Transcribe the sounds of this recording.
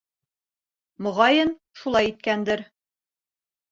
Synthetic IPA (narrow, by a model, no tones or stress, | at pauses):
mŏʁɑjɤn | ʃulˠɑjit̪̚kænd̪ɘɾ